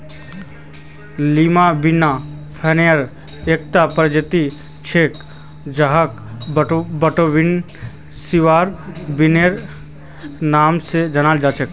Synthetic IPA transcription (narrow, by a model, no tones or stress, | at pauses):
liːmabɪnapʰɛːnejəɾ | eːk̚t̪apɾd͡ʒət̪i | t͡ʃʰeːk | d͡ʒaɦək | bəʈobɪn | siʋaːɾbɪneɾ | naːmsed͡ʒɐnaːld͡ʒaːt͡ʃək